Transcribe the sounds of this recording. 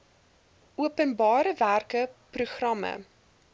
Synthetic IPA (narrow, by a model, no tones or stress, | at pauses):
ʔuəpənbɑːɾəværkəpruχrɐmə̰